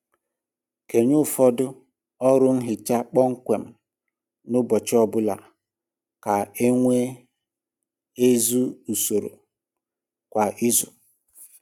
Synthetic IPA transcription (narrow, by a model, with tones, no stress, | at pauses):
ke˨ɲʊ˦fɔ˦dʊ˦ | ɔ˦ɾʊ˦n̩˦ɦɪ˨t͡ʃa˦k͡pɔ˦ŋ̩˦kʷe˨m̩˨ | nʊ˦bɔ˨t͡ʃɪ˦ɔ˦bʊ˦la̰˨ | ka˨e˦ŋʷe˦ | e˦zu˦u˨so˨ɾo̰˨ | kʷa˨ʔi˦zʊ˨